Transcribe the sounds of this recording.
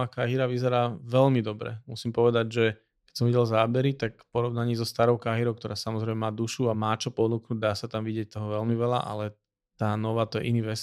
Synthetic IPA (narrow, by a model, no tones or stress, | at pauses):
aːkaɦiɾaʋizɛɾaːʋɛʎmid̪ɔbɾɛ̰musiːmpɔʋɛd̪aɟʒɛ | kɛ̥csɔmʋiɟɛlzaːbɛɾit̪akpɔɾɔʋnaɲiːzɔst̪aɾɔʊkaɦiɾɔʊkt̪ɔɾaːsamɔzɾɛɪmɛmaːd̪uʃuamaːt͡ʃɔpɔnuknuɟ̚d̪aːsat̪amʋiɟɪɛc̚t̪ɔɦɔʋɛlmiʋɛla̰ʔa̰lɛ | t̪aːnɔʋaːt̪ɔjɛ̰ʔiniːʋɛs